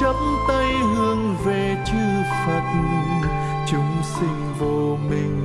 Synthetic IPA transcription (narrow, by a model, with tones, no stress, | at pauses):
ə˨˦˥mt̪ə˧jɦɨ˧əŋve˨˩t͡ɕɨ˧˩fa˨˩t̚ɲ˧ | t͡ɕʊ˨˦ŋ͡msï˧ŋ̟vo˧ | mï˨˩ŋ̟